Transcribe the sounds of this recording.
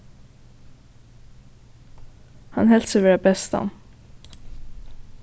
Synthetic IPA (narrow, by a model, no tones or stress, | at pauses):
hɑnhɛlt̪səʋɛɖɛbɛst̪ɑ̰n